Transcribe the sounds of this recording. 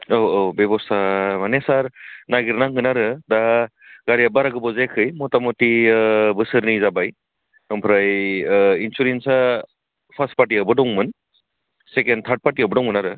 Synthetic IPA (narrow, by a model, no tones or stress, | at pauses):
oobebɔstʰamanesaɾnaɡiɾnaŋɯnaɾɯdaɡaɾijabaɾaɡɯbɔzekʰɯjmɔtamɔtibɯsɯɾnizabaj | nɔmpʰɾaj | insuɾensa | pʰast̚paɾtiabɯdɔŋmɯn | sekendt̪ʰaɾt̚paɾtiabɯdɔŋɯnaɾɯ